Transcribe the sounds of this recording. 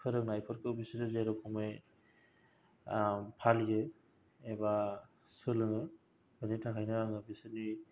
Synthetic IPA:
kʰɯɾɯŋnajpʰɯɾkʰɯwbisiɾɯzeɾɯkʰɔmej | pʰalɡe | eba | sɯlɯŋɯ | bɯnitʰakʰajnɯaŋɯbisɯni

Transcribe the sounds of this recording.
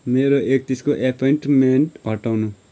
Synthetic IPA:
meːɾoʔeːk̚t̪iskoʔepʰɔjɳʈmeɳʈbʱʌʈaːnũ

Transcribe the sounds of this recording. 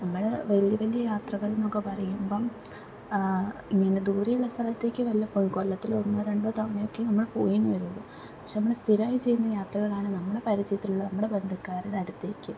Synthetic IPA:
nɐmːɐɭʋɐljɐʋɐlijɐjaːt̪rɐɣɐɭno̞ːkːɐpɐrɐjumbo̞ː | iŋːɐned̪uːrijuɭːɐst̪ʰɐlɐt̪ːe̞ːkʲːɨʋɐlijɐpːonkolːɐt̪ːilonːɐɾeɳɖɨt̪ɐmɐɳejo̞kːe̞nɐmːɐɭpoːjunːuʋɐɾunːɐðɨ | pɐkʂenɐmːɐɭɽest̪ʰiɾaːjit͡ɕe̞jːunːɐjaːt̪rɐɣɐɭaːɳɨnɐmːɐɽe̞pɐɾit͡ɕɐjt̪ːiluɭːɐnɐmːuɽe̞be̞nd̪ʱɐkːaːɾuɽeɐɽut̪ːeːkʲːɨ

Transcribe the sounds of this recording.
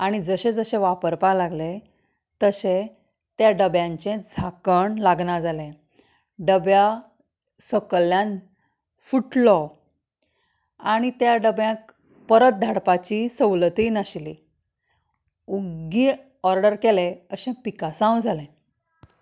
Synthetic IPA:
aɽ̃id͡zəɕẽd͡zəɕẽʋapəɾpalaɡle | t̪əɕẽ | t̪jaɖəbjãɲt͡ɕẽd͡zʱakəɳlaɡɳad͡zalẽ | ɖəbja | səkəljãn | fuʈlɔ | aɽ̃it̪jaɖəbjãk̚ | pəɾət̪̚d̪ʱaɽpat͡ɕisəwlət̪inaɕli | uɡi | ɔɾɖəɾkeleəɕẽpikasãwd͡zʱalẽ

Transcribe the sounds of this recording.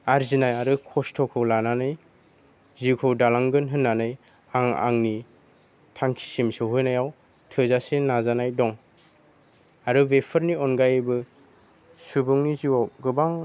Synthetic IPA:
aɾzinajaɾɯkʰɔstʰɔkʰɯwlananɯj | zikʰɯwdalaŋɡɯnɦɯnːanɯj | aŋa̰ŋni | tʰaŋkʰi̥simsɯwɦɯjnajaw | tʰɯzasenazanajdɔŋ | aɾɯbepʰɯɾniɔnɡajbɯ | subuŋniziwaɡɯbaŋ

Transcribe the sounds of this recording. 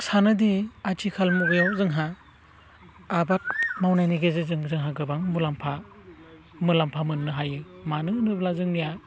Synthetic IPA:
sanɯdiat͡ʃikʰalmɔɡjawzɯŋɦa | bat̚mawnajniɡezɯzɯŋzɯŋɦaɡɯbaŋmulampʰa | mɯlampʰamɯnnɯɦajɯmanɯnɯblazɯŋnija

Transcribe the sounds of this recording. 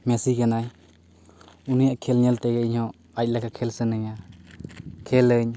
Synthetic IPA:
mɛsikanaj | unijaʔkʰɛlɲɛlt̪ɛɡɛiɲhɔ | ac̚lakakʰɛlsənəɲa | kʰɛləɲ

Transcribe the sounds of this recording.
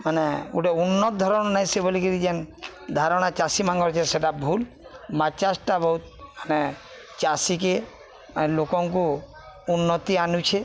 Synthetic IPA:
maneuʈeunːɔt̪d̪ʱɔɾɔnnaj̃sebolikilid͡ʒen | d̪ʱaɾɔɽ̃at͡ʃasimãŋɡɔɾt͡ʃʰeseʈabʱul | mat͡ʃasʈabɔɦut̪̚mane | t͡ʃasike | maelokɔŋku | unːɔt̪ianut͡ʃʰe

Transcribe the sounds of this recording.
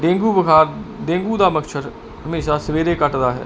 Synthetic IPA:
ɖẽːŋɡuːbəkʰaːɾɖẽːŋɡuːd̪aːməkʃəɾ | həmeːʃaːsəʋeːɾeːkəʈd̪aːɦɛ̰ː

